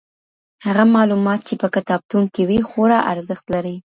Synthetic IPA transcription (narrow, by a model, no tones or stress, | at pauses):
haɣamɑlumɑt̪̚t͡ʃepəkat̪ɑb̚t̪uŋkewixoɾɑʔaɾzəxt̪laɾi